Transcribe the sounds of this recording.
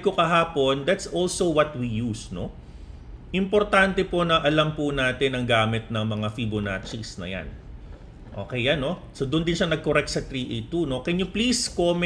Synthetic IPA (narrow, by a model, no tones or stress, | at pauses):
kokɐɦaːpo̞nd̪at̪sʔolsowɐt̪̚wijusno | ʔɪmpoɾt̪ant̪ɛpo̞nɐʔɐlɐmpʊnaːt̪ɪnɐŋɡaːmɪt̪̚nɐŋmɐŋafibonaːt͡ʃisnɐ̰ja̰n | ʔoːkɛjjanːo̞sod̪ʊnd̪ɪnʃanɐɡ̚koɾɛk̚t̪̚sɐt̪ɾiʔejt̪uno̞kɛnjopliskomɛ